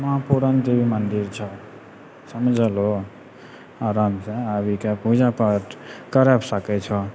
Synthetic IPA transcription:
mãpuɾant̪ebimənd̪iɾt͡ʃʰɔ | səmd͡ʒʱəlo | aɾamseabikapud͡ʒapəʈkəɾapsəkɛt͡ʃʰɔ

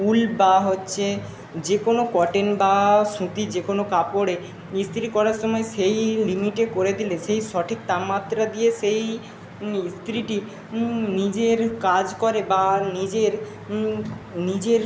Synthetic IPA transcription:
ulbaɦotːɕʰe | d͡ʑekonokɔʈenbaʃũt̪id͡ʑekonokapoɽe | ist̪ɾikɔɾaɾʃɔmɔeʃejlimiʈekoɾed̪ileʃejʃɔʈʰik̚t̪amat̪ːɾad̪ijeʃej | ist̪ɾiʈi | nid͡ʑeɾkad͡ʑkoɾebanid͡ʑeɾ | nid͡ʑeɾ

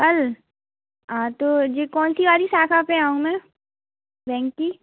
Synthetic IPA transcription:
kɐl | ɦãːt̪oːd͡ʒekɔːnsiʋaːɾisaːkʰapẽaːũmɛ̃ː | bɛ̃ːŋkkiː

